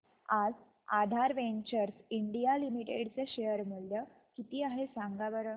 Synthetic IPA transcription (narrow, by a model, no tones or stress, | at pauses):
ad͡z | ad̪ʱaɾʋeɲt͡ɕəɾsiɳɖijalimiʈḛɽt͡seɕejəɾm̤əɭjə | kit̪iːaɦesaŋɡaʋəɾə